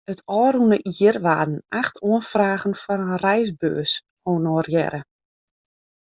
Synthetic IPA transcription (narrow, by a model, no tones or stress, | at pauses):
ətʰɔːɾunəʔiːərʋaːdn̩axtʰuənfraːɣənfɔɾənrɛjsbø̰ːs | oːnɔːrjɛ̰ɾʔə